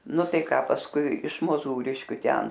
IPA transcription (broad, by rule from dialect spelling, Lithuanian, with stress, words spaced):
ˈnʊ ˈtɐɪ ˈkɑː pɐsˈkʊɪ ɪʃ moːˈzuːrʲɪʃʲkʲʊ ˈtʲɛn